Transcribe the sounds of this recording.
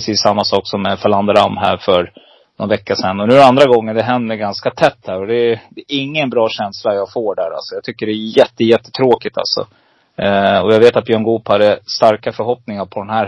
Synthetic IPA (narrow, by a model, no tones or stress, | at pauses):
siːsːamːasɑːksɔmːɛfaland̪əɾamːɦæ̰ːɾfœɾ | nɔnvɛkːasɛnːɔnʉːɛand̪ɾaɡɔŋːənd̪ɛɦɛnd̪əɾɡanskat̪ʰɛt̪ːhæːɾɔd̪ɛd̪ɛʔɪŋːənbɾɑːɕɛnslajɑːɡfoːɖæːɾa̰lsɔjɑːt̪ʰʏkːəɖɛːjɛt̪ːəjɛt̪ːə̥t̪ʰɾoːkɪt̪ʰa̰lsɔ̰ | ɔjaːɡveːt̪at̪̚bjœːŋɡuːphad̪ːəst̪aɾkafœɾɦɔpnɪŋaɾpʰɔd̪ɛnɦæːɾ